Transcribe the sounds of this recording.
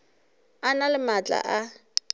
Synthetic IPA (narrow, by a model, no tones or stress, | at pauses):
analɪmat͡ɬʼa̰ʔa